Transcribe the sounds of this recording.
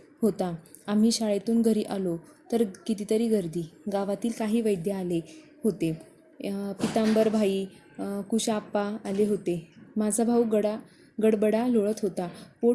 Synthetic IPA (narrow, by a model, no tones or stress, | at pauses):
ɦot̪a | am̤iːɕaɭet̪uːnɡʱəɾiːʔalo | t̪əɾkit̪iːt̪əɾiːɡəɾd̪iːɡaʋat̪iːlkaɦiːʋəjd̪ʱjəale | hot̪e | pit̪ambəɾbʱaiː | kuɕaːpːaːleɦot̪emad͡zʱabʱauɡəɽa | ɡəɽbəɽaloɭət̪ɦot̪apo